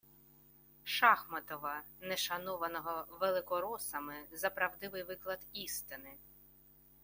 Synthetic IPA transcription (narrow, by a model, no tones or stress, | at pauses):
ʃɑxmɐt̪ɔʋɐnɛʃɐnɔʋɐnɔɦɔʋelˠɪkɔɾɔsɐmɪzɐpɾɐwd̪ɪʋɪjʋɪklˠɐd̪ist̪ɪnɪ